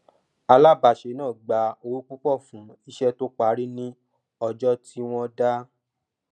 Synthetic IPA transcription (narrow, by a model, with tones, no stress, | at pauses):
a˧la˦˨ba˨ʃe˨˦nãː˦˨ɡ͡ba˨o˧wu˦k͡pu˦k͡pɔ˦˨fũ˨˦i˦˧ʃɛ˧to˦k͡pa˨˦ɾi˦nĩ˦ | ɔ˧d͡ʒɔ˦ti˦w̃ɔ̃˧da˦